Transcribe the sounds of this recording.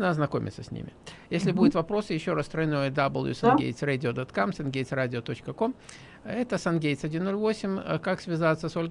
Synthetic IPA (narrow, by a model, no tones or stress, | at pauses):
nəɐznɐko̞mʲɪ̰t̪səsʲnʲḭmʲɪ̰jesʲlʲɪbudʲʊt̪vɐpɾo̞sɨjɪɕːo̞ɾast̪ɾɐjnojəd̪ɐbəlˠjṵsɐnɡʲḛjt̪sradʲɪod̪ot̪kamsɐnɡʲejt̪sɾadʲɪot̪o̞t͡ɕkəko̞m | ɛt̪əsɐnɡʲejt̪sʲɐdʲinːo̞lʲvo̞sʲɪmʲkaksvʲɪzat̪səsolʲ